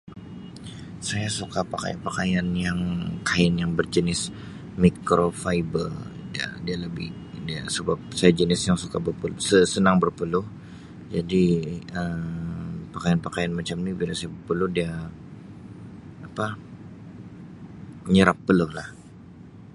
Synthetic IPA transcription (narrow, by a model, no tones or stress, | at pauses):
sajasukapaka̰ja̰npakajanjaŋkʰaɪnjaŋbərd͡ʒənɪs | mikɾofaibəldia̰dialəbɪh | diasəbap̚sajad͡ʒənɪsjaŋsukabərpəlsəsənaŋbərpəlʊh | d͡ʒadiə | pakajanpakajanmat͡ʃamnibilaŋsajabərpəlʊhdia | apa | ɲəɾapːəlʊhlah